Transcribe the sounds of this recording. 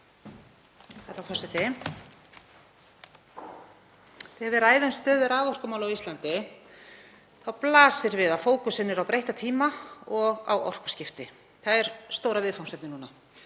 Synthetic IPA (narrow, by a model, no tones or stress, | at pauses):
θaɛɾawkʰfɔsɪt̪ʰɪ | θɪɛvɛɾaːjðʏnst̪œːðʏɾaːvɔr̥kʏmaːwlawist̪lant̪ɪ | θawplaːsɪɾvɪðafoːwkʏsɪnːɪɾawpɾejht̪at̪ʰiːmaɔɣa̰wɔ̰r̥kʏ̥scɪft̪ɪ | θaðɛɾ̥st̪oːwɾavɪðfawmsɛt̪nɪnuːna